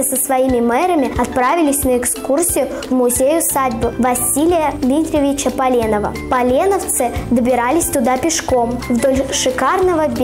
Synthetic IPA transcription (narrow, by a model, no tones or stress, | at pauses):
səsvɐimʲɪmɛɾəmʲɪɐt̪̚pɾavʲɪlʲɪsʲnəɪkskursʲɪjʊvmʊzʲejʊsadʲbɨvɐsʲilʲɪjəmʲit̪ɾʲɪvʲɪt͡ɕəpɐlʲenəvə̰pɐlʲenəft̪sɨd̪əbʲɪɾalʲɪsʲt̪ʊd̪apʲɪʂko̞mvd̪olʲʂɨkarnəvəbʲ